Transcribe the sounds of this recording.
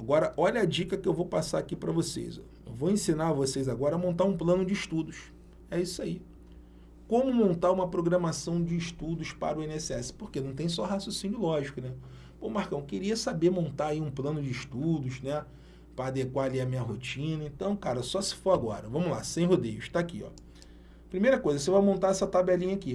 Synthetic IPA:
aɡɔɾɐʔɔʎɐad͡ʒikɐkɪewvowpasaɾakipɾɐvosḛjz̰ | ḛwvoẽsĩnaɾvosejzaɡɔɾɐmõnt̪aɾũplɐ̃nʊd͡ʒɪiʃt̪ud̪ʊs | ɛisʊai | kõmʊmõnt̪aɾũmɐpɾoɡɾɐmasɐ̃w̃d͡ʒɪːʃt̪ud̪ʊʃpa̰ɾʊẽnɛsɪɛsɪ̥poɾkenɐ̃w̃t̪̬ẽj̃s̬ɔɦasosĩɲʊʊlɔʒikʊnɛ | põmahkɐ̃w̃keɾiɐsabemõnt̪aɾaiũplɐ̃nʊd͡ʒɪiʃt̪ud̪ʊʃnɛ | pɾɐːd̪ekwaaliɐmĩɲɐɦot͡ʃĩnɐẽnt̪ɐ̃w̃kaɾɐsɔsɪ̥foaɡɔ̰ɾɐvɐ̃mʊla̰sẽj̃ɦod̪ejʊʃt̪aːkiɔ̰ | pɾimejɾɐkojzɐs̬evamõnt̪aɛsɐt̪abɛlĩɲɐaki

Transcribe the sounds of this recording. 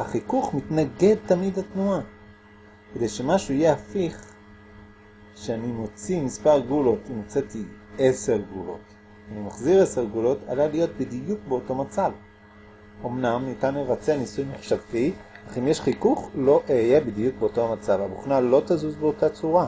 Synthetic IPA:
haχikuχmitnaɡe̞d̪̚tamidat̪nua | kede̞jʃe̞maʃuijeafiχ | ʃeanimo̞t͡simispaʁɡulo̞timot͡setie̞se̞ʁɡulo̞̰t | animaχziʁe̞se̞ʁɡulo̞tʰa̰lalijo̞t̪̚bid̪ijukbeoto̞mat͡sav | o̞mnamnitanmevat͡senisujnuχʃavtiaχimjeʃχikuχlo̞ʔjebid̪ijuk̚beoto̞amat͡savabuχnalo̞t̪azuzbeo̞tat͡suʁa

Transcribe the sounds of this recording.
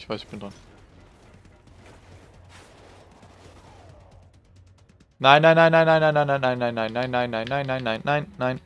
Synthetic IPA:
vasɪçb̥ɪndʁan | naɪnːaɪnːaɪnːãnaɪnːaɪnaɪnːaɪ̃nːaɪnːaɪnːaɪnːaɪ̃nːaɪnːaɪnːaɪnːaɪnːaɪnːaɪnːaɪn

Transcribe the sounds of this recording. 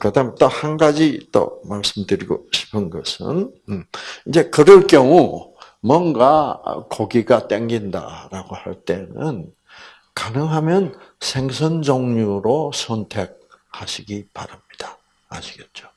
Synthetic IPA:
kɯdamnt͈ohanɡad͡ʑit͈o̰maɭs͈ɯmdɯɾiɡo̰ɕʰi̥pʰɯnɡʌsʰɯ̰n | ind͡ʑe̞kɯɾʌɭk͈jʌŋu | mwʌnɡakoɡiɡat͈eŋɡinda̰ɾaɡohaɭt͈e̞nɯn | kanɯŋɦamjʌnsʰe̞ŋsʰʌnd͡ʑoŋɲuɾosʰʌntʰe̞k̚haɕʰiɡipaɾamɲid̥aː | ɕʰiɡet̚t͡ɕ͈o̥

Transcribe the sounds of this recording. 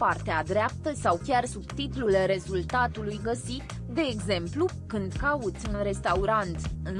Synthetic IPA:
part̪ead̪ɾeap̚t̪əsawkʲarsubt̪it̪lulɾe̞zult̪at̪ulujɡəsit̪ | d̪e̞ːɡze̞mplu | kɨnd̪kaut̪sʲunɾe̞st̪auɾant̪ɨn

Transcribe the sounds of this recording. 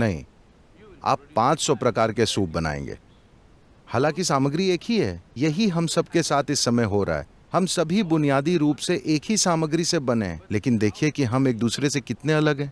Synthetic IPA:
nɐɦḭ̃ | a̰ːpːãːt͡ʃsɔpɾɐkaːɾkesuːp̚bɐna̰ːḛ̃ːŋɡḛː | haːlãːkisaːməɡɾieːkʰɦiɦɛ̰ːjɐɦiɦɐmsɐbkesaːt̪ʰɪsːɐməjɦoɾa̰a̰ɛ̰ː | hɐmsɐbʱibʊnijaːd̪iɾuːpseʔeːkʰɦisaːməɡɾisebɐnḛ̃leːkɪnd̪eːkʰiekiɦɐmeːk̚d̪uːsɾesekɪt̪neɐləɡɦɛ̃ː

